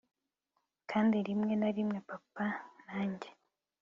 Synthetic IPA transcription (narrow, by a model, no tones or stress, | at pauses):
kʰaːndiɾimŋe̞naɾimŋe̞papanaːɲɟe